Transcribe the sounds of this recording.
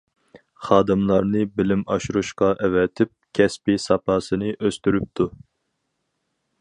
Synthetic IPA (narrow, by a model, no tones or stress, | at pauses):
χɑːd̪ɨmlˠɑɾnɨbɪlɪmɑʃuɾuʃqɑʔɛvɛt̪ʰɪp̚kʲʰɛspisɑpɑːsɨnɨʔøst̪yɾyp̚t̪ʰu